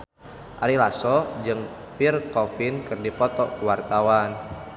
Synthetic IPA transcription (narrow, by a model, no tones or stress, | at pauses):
ʔaɾilasɔd͡ʒɨŋ | pirkɔfinkɨrdipɔt̪ɔkuwart̪awan